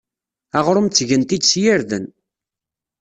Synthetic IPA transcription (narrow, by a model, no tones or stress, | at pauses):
æʁɾʊmt͡sːʝənt̪id̪sjɪɾðən